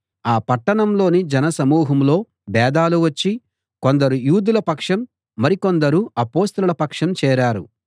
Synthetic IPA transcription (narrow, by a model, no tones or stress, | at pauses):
aːpɐʈːɐɳɐmlo̞ːnid͡ʒɛnɐsɐmuːɦɐmlo̞ː | bɛːd̪aːluʋɐt͡ʃːi | ko̞nd̪ɐɾujuːd̪ulɐpɐkʂɐmː | ɐɾiko̞nd̪ɐɾuɐpo̞ːst̪ɐlulɐpɐkʂɐmt͡ʃɛːɾaːɾu